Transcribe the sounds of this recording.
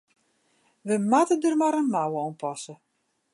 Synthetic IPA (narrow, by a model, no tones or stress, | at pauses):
ʋəmatədərmaɾənmawəɔmpʰɔsə